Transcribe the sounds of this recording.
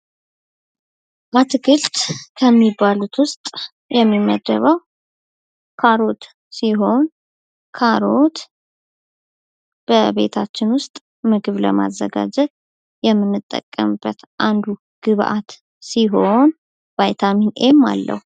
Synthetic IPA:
bat̪ʰɨɡɨlt̪ʼkʰəmːibːalut̪wʊst̪ʼ | jɛmːimːəd̪ːə̰βəw | kʰaɾo̞t̪ | siɦo̞n | kʰaɾo̞t̪ | b̥əβe̞̰t̪ʰat͡ʃːɪnwʊst̪ʼ | mɨɡɨβləma̰zːəɡa̰d͡ʒɛt̪ | jɛmːɨnːɨt̪ʼːə̰kʼːə̰mɨbːət̪ʔand̪u | ɡ̥ɨβʔat̪ | siɦo̞n | vajt̪ʰaminʔemːa̰lːə̰hu

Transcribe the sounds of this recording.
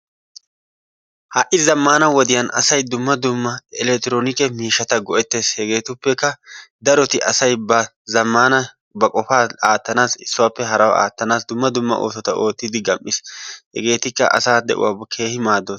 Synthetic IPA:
haʔɪzɐmːaːnɐwɔd̪ɪjɐnɐ̰sɐjd̪ʊmːɐd̪ʊmːɐɪlɛkt̪ːɪɾoːnɪkɛmiːʃːɐt̪ɐɡɔʔɛt̪ːe̞ːshɛɡe̞ːt̪ʊpːɛkːɐd̪ɐɾɔt̪ɪʔɐsɐjbɐ | zɐmːaːnɐ | bɐkʼɔfaːaːt̪ːɐnaːsɪsːʊwaːpːɛɦɐɾɐwʔa̰ːt̪ːɐnaːsd̪ʊmːɐd̪ʊmːɐ̰ʔo̞̰ːsɔt̪ɐʔo̞ːt̪ːɪd̪ɪɡɐmʔːɪshɛ̰ɡe̞ːt̪ɪkːɐ̰ʔɐ̰saːd̪ɛ̰ʔʊ̰waːbkʰe̞ːhɪmaːd̪o

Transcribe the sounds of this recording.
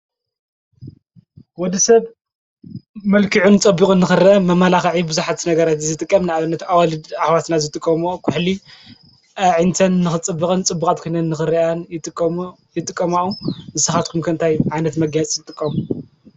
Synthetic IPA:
wɔd̪isɐβ | mɐlkʰiʕunt͡sʼɐbːɨkʼɨnːɨxɨɾɐʔɐmɐmalaxɐʕibɨzuħat̪nɐɡɐɾat̪zɨt̪ʼɨkʼːɐmnɨaβɨnːɐt̪awalɨd̪aħwat̪nazɨt̪ʼɨkʼːɐmokʰuħli | ʔɐʕint̪ʰɐnːɨxɨt͡sʼɨbːɨkʼɨnt͡sʼɨbːukʼat̪̚kʰojnɐːɨxɨɾiʔant̪ʼ | jɪt̪ʼɨkʼːɐmaʔuzɨsɨxat̪kʰumkʰɨɨnt̪ʰajʕajnɐt̪mɐɡajt͡sʼzɨt̪ʼɨkʼːɐm

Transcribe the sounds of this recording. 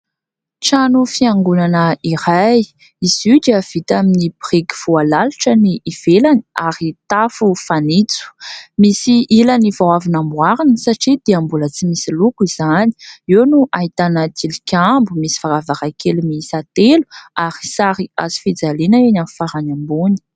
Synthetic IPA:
ʈ͡ʂanufiaŋɡunanəiɾaj | izid͡ʒav̥it̪aminibirikʲi̥v̥ualaliʈ͡ʂəniːv̥elaniaɾit̪afufanit͡su̥misiilanivawavinambwaɾinsaʈ͡ʂid̪̥iambulət͡simisilukiz̥ani̥iwnuʔait̪anət̪ʰilikʲambumisi̥faɾavaɾakelumisat̪elu̥aɾi̥saɾia̰zi̥fid͡zalenaenamfaɾanambuni̥

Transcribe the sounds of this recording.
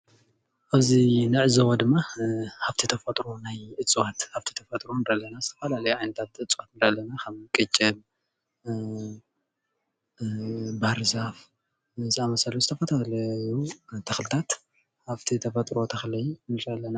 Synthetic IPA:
ʔaβzinɨʕɨzɐwɐd̪ɨmːahaft̪ʰit̪ʰɐfɐt̪ʼɾonajʔɨt͡sʼwat̪haβt̪ʰi̥t̪ʰɐfɐt̪ʼɾond̪alːɐnazɨt̪ʰɐfɐlalɐjʕajnɐt̪ʰat̪ʔɨt͡sʼwat̪nd̪alːɐnakʰɐmkʼɨt͡ʃʼɐb | baɾzaf | ziamɐsɐluzɨt̪ʰɐfɐt̪ʰalɐjut̪ʰɐxlɨt̪ʰat̪ | haβt̪ʰit̪ʰɐfɐt̪ʼɾot̪ʰɐxlɐjnɨɾalːɐna

